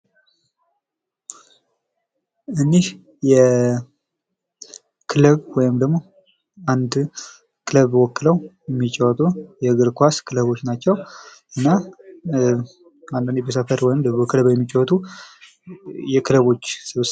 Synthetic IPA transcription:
ʔɨnːih | jɛ | kʰɨləβwɔjɪmd̪əɡmo̞ | and̪ | kʰɨləβwɔkːɨləwjɛmːit͡ʃʼːɛwɔt̪ʼujɛɡɨɾkʰʷaskʰɨləβo̞t͡ʃːnat͡ʃːɛwʔɨnːa | and̪ɨnibesəfəɾwɔjɪmd̪əmokʰɨləβwjɛmːit͡ʃʼɛwɔt̪ʰʼu | jɛkʰɨləβo̞t͡ʃːsɨβs

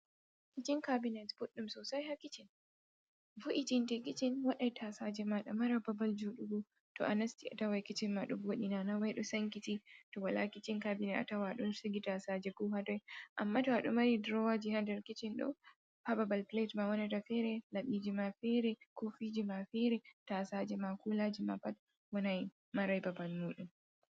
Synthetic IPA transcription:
kɪt͡ʃiŋkabinɛtb̥ɔɗumsɔːsajhakɪt͡ʃɪn | vuʔit͡ʃɪntɛkit͡ʃɪnwɐɗajtʰaːsad͡ʒɛmaɗɔmɐɾabɐbɐld͡ʒoɗuɡu | tɔ̰ʔanɐstiʔa̰tawajkit͡ʃɪnmaɗɔboɗinaːnawajɗɔsɐŋkititɔwɐlakit͡ʃɪŋkabinɛʔa̰tawaɗɔnsiɡitasaːd͡ʒɛɡuːɦadɔjʔamːatɔhaɗɔmaɾidɾɔwad͡ʒihandɛɾkit͡ʃinɗɔ̰ | pababalpletmawɔnatafɛɾɛlaɓid͡ʒimafɛɾɛkofid͡ʒimafɛɾɛtaːsaːd͡ʒɛmakulad͡ʒima̰pat | wɔnaj | maɾajbabalmuːɗum

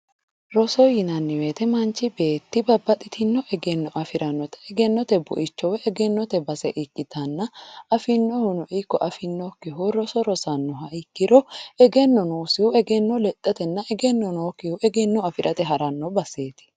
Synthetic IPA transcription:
ɾɔsɔjɪnɐnːɪweːt̪ɛmɐnt͡ʃːɪbe̞ːt̪ːɪbɐbːɐt̪ʼɪt̪ʰɪnːɔʔɛɡɛnːɔʔɐfɪɾʔɐnːɔt̪ɛ̥ːɡɛnːɔt̪ɛbʊ̰ʔɪt͡ʃːɔwɛɛɡɛnːɔt̪ɛbɐsɛʔɪkʼːɪt̪ɐnːɐɐfɪnːɔhʊnɔʔɪkːɔʔɐfɪnːɔkːɪɦuɾɔsɔɾɔsɐnːɔɦɐɪkːɪɾɔɛɡɛnːɔnuːsɪhʊɛɡɛnːɔlɛt̪ʼːɐt̪ɛnːɐʔɛɡɛnːɔnoːkɪhʊʔɛɡɛnːɔɐfɪɾʔɐt̪ɛɦɐɾɐnːɔbɐse̞ːt̪ɪ̥

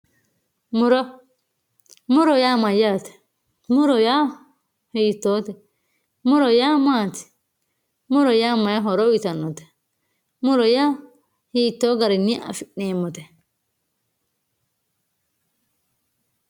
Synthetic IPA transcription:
muɾɔ | muɾɔjamajatɛ̥ | muɾɔja | hitːɔtɛ | muɾɔjaːmaːt̪i̥ | muɾɔjamajaɦɔɾɔwit̪anːɔtɛ̥ | muɾɔja | hit̪ːɔɡaɾinːiʔa̰finɛmɔt̪ɛ

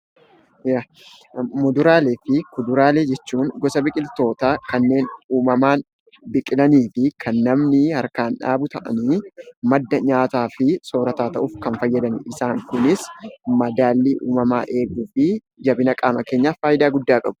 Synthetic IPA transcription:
ja | mʊd̪ʊɾaːleːfɪkʊd̪ʊɾaːleːd͡ʒɛt͡ʃːuːŋɡɔsɐbɪkʼɪlt̪o̞ːt̪aːkɐnːe̞ːnuːmɐmaːn | bɪkʼɪlɐniːfɪkʰɐnːɐmnɪhɐɾkaːnᶑa̰ːbʊt̪ɐʔɐ̰niːmɐd̪ːɐɲaːt̪aːfɪso̞ːɾɐt̪aːt̪ɐʔʊfkɐnfɐjːɐd̪ɐnɪʔɪsaːŋkʊnɪsmɐd̪aːlːiːʔṵːmɐmaːʔe̞ːɡuːfɪ | d͡ʒɐbɪnɐkʼaːmɐke̞ːɲːaːfaːjɪd̪aːɡʊd̪ːaːkʼɐbʊ̥

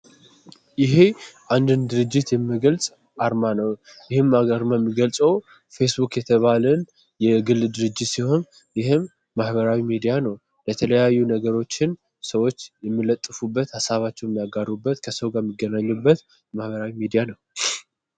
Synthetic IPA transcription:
jɪɦe̞ʔand̪ɨnd̪ɨɾɨd͡ʒːɪt̪jɛmːiɡəlsʼ | aɾmanəw | jɪhɨmaaɾmamːiɡəlsʼəw | fe̞sbukjɛt̪ʰəβalən | jɛɡɨld̪ɨɾɨd͡ʒːɪt̪siho̞n | jɪhɨmː | ahbəɾawimid̪ijanəw | lət̪ʰələjajːunəɡəɾo̞t͡ʃːɪn | səwo̞t͡ʃːjɛmːɨlət̪ʼːɨfubːət̪hasaβat͡ʃːɛwjɛmːijaɡarːubːət̪kʰəsəwɡaɾmːiɡːənaɲːubːət̪ | mahβəɾawimid̪ijanəw

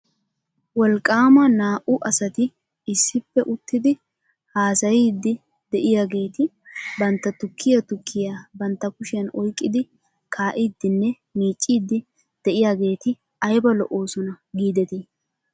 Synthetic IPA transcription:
wɔlkʼːaːmɐnaːʔʊʔɐsɐt̪ɪ | ɪsːɪpːɛʔʊt̪ːɪd̪ɪ | haːsɐjiːd̪ːɪ | d̪̥ɛʔɪjaːɡe̞ːt̪ɪ | bɐnt̪ːɐt̪ʊkʰːɪjɐt̪ʊkʰːɪjabɐnt̪ːɐkʊʃɪjɐnɔjkʼːɪd̪ɪ | kʰaːʔiːd̪ːɪnːɛ | miːt͡ʃʼːiːd̪ːɪ | d̪̥ɛʔɪjaːɡe̞ːt̪ɪ | ɐjbɐlɔ̰ʔo̞ːsɔnɐɡiːd̪ɛt̪i

